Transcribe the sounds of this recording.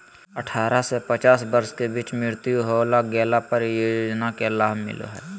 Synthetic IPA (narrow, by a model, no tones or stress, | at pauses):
əʈʰaːɾasepət͡ʃaːsbəɾskebiːt͡ʃmɪɾt̪juɦoːlaɡɛːlapəɾjoːd͡ʒnakelaːbʱmɪ̰lo̰ɦɛː